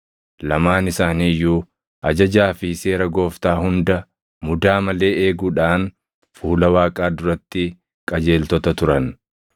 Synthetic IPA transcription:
lɐmaːnɪsaːniːjːuː | ʔɐd͡ʒɐd͡ʒaːfɪse̞ːɾɐɡo̞ːft̪aːhʊnd̪ɐ | mʊd̪aːmɐle̞ːeːɡuːᶑaːn | fuːlɐwaːkʼaːd̪ʊɾɐt̪ːɪ | kʼɐd͡ʒe̞ːlt̪ɔt̪ɐt̪ʊɾɐn

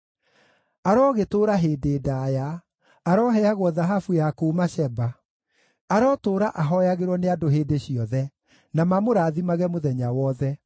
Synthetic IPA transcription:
aɾɔɣetoːɾaɦeːdeːdajaː | ɾɔɦɛaɣwɔðaɦafujakoːmaɕɛba | aɾɔːtoːɾaʔaɦɔjaɣeɾwɔneadoɦeːdeɕiɔðɛ | namamoɾaːðimaɣɛmoðɛɲawɔðɛ

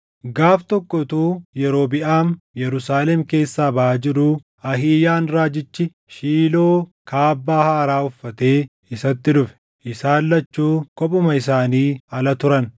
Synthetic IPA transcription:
ɡaːft̪ɔkːɔt̪uːjɛɾo̞ːbɪʔaːnjɛɾʊsaːlɛmke̞ːsːaːbɐʔaːd͡ʒɪɾuː | ɐɦiːjaːnɾaːd͡ʒɪt͡ʃːɪ | ʃiːlo̞ːkʰaːbːaːhaːɐɾaːʊfːɐt̪e̞ː | ɪsɐt̪ːɪᶑʊfɛ̥ | ʔɪsaːlːɐt͡ʃːuːkɔpʼʊmɐɪsaːniːɐlɐt̪ʊɾɐn

